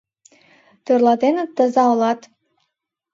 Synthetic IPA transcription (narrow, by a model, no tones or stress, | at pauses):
t̪ørlɑd̪enə̆t̪ːə̆zɑolɑt̪